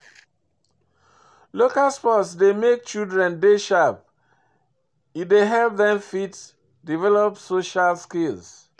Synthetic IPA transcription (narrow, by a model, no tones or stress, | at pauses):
lokalspɔtsdemek̚t͡ʃildɹɛ̃ndeʃap̚ | ideɦɛlp̚ðɛ̃mfit | divɛlɔpsoʃalskilz